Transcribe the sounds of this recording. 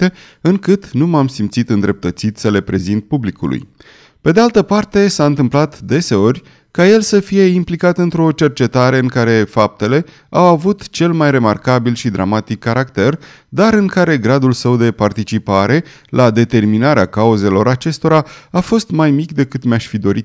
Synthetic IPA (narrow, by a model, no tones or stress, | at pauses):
e | ɨŋkɨt̪numamsimt̪sit̪ɨnd̪ɾe̞p̚t̪ət̪sit̪səle̞pɾe̞zint̪̚publikṵlṵj | pe̞d̪ealt̪əpart̪e̞saɨnt̪ɨmplat̪d̪e̞se̞o̞rʲ | kaje̞lsəfije̞implikat̪ɨnt̪ɾo̞t͡ʃe̞rt͡ʃe̞t̪aɾe̞ɨŋkaɾe̞fap̚t̪e̞le̞ | awavut̪t͡ʃe̞lmajre̞ma̰rkabilʃid̪ɾa̰mat̪ikːaɾakt̪e̞r | d̪aɾɨŋkaɾe̞ɡɾad̪ulsəwd̪e̞part̪it͡ʃipaɾʔe̞ | lʔad̪e̞t̪e̞rminaɾeakauze̞lo̞ɾat͡ʃe̞st̪o̞ɾaafo̞st̪majmikd̪e̞kɨt̪meaʃfid̪o̞ɾit̪